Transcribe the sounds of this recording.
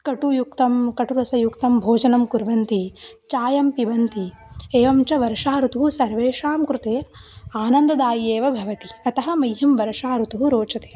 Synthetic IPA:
kɐʈujukt̪ɐmkɐʈuɾɐsɐjukt̪ɐmbʱoːd͡ʒɐnɐmkuɾʋɐnt̪i | t͡ʃaːjɐmpibɐnt̪i | eːʋɐmt͡ʃɐʋɐɾʂaːɾut̪uɦusɐɾʋeːʂaːmkɾut̪eːaːnɐnd̪ɐd̪aːjeːʋɐbʱɐʋɐt̪iɐt̪ɐɦɐmɐjɦɐmʋɐɾɐʂaːɾut̪uɦuɾoːt͡ʃɐt̪eː

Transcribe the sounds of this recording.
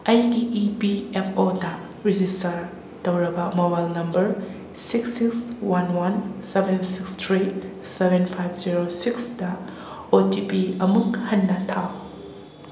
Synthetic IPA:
ajtiipiepʰodɐ | ɾid͡ʒistɐɾ | tɐwɾɐbɐmobajlnɐmbɐɾ | siksikswanwansebʱensikstʰɾi | sebʱenpʰajbʰziɾosiksdɐ | otipiɐmukhɐnːɐtʰaw

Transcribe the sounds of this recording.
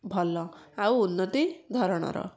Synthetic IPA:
bʱɔlːɔawunːɔt̪id̪ʱɔɾɔɽ̃ɔ̰ɾɔ̰

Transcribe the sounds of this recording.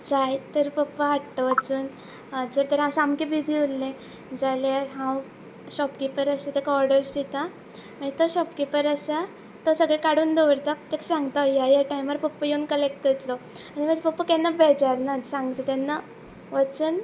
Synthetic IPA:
d͡zajt̪əɾpəpːəɦaʈt̪əʋət͡suːn | d͡zəɾt̪əɾɦãw̃samkibid͡ziulːẽ | d͡zaljaɾɦãw | ɕɔpkipəɾəset̪ekaɔɾɽəɾsit̪a | m̤əit̪ɔɕɔpkipəɾəsa | t̪osəɡɭekaɽuːnd̪ɔʋəɾt̪apt̪eksãŋɡt̪ajajaʈaiməɾpəpːəjeunkəlek̚ʈ̪ət̪lɔ | aɽ̃iməd͡zpəpːəkɛnːabɛd͡zaɾnasãŋɡt̪ət̪anːa | ʋət͡suːn

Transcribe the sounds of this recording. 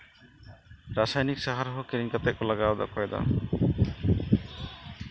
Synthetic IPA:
ɾasajnik̚saɦaɾɦɔkiɾiŋkat̪ɛk̚ɔlaɡaɔd̪a̰kɔjɛd̪a̰

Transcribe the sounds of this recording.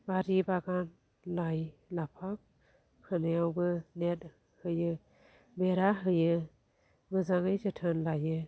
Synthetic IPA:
baɾibaɡan | lajlapʰak̚ | kʰɯnejawbɯnet̚ | hɯjɯ | beɾaɦɯjɯ | mɯzaŋɯjzɯtʰɯnlajɯ

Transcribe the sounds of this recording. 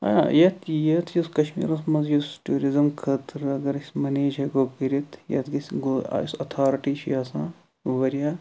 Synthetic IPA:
ɐ̰jɐt̪ʰjɐt̪ʰjuskɐʃmḭːɾɐsmɐzjusʈuːɾizɐmkʰɐt̪ɾɐɡɐɾisʲmɐneːd͡ʒɐɡokiɾit̪ʰjɐ̰t̪ɡisʲɡo̰sɐt̪ʰaːɾʈiːʃjasãː | ʋɐɾjaː

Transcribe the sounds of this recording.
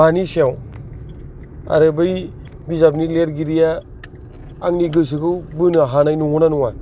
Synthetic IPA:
aniseaw | a̰ɾɯbɯj | bizap̚nileɾɡiɾija | ŋniɡɯs̬ɯkʰɯwbɯnɯɦanajnuŋɔnanuŋa

